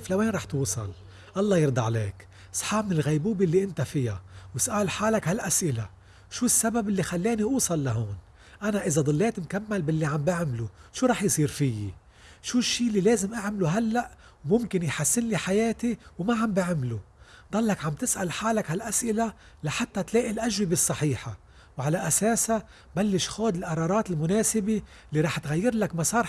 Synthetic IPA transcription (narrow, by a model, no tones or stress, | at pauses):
flaweːnɾˤɑːħt̪uːsˤɑl | ʔɑlˤːɑːjɪɾˤd̪aʕleːk | sˤħɑːbmɪnɪlɣajbuːbilːiʔɪnt̪afɪjawɪsʔaːlħaːlakhalʔasʔɪla | ʃuːsːababʔɪlːixalːeːniʔuːsˤɑlːaɦoːn | ʔanaʔɪzad̪ˤɑlːeːt̪mkamːalbɪlːiʕambɪʕmluʃuːɾˤɑːħjsˤiːɾfɪjːi | ʃuːʃːiːlːileːzɪmʔaʕmluɦalːaʔ | wmʊmkɪnjħasːɪnliħajeːt̪iwmaʕambɪʕmlud̪ˤɑlːɑkʕambt̪ɪsʔa̰lħaːlakhalʔasʔɪla | laħat̪ːat̪leːʔilʔaʒwibɪsˤːɑħiːħa | wʕalaʔaseːsa | balːɪʃxoːd̪ɪlʔɑɾˤɑːɾˤɑːt̪ɪlmʊneːsɪbi | lːiɾˤɑːħt̪ɣajːɪɾlakmɑsˤɑːɾˤ